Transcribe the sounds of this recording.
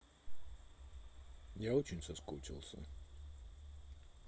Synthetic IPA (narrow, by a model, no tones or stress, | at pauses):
jaot͡ɕɪnʲsɐskut͡ɕʲɪ̰lˠsʲə̰